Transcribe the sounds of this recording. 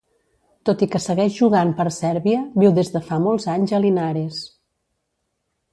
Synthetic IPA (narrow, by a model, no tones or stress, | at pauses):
t̪ot̪ikəsəɣɛʒʒuɣ̞ampəɾsɛɾβiəβiwðezðəfamolˠzaɲzəlinaɾes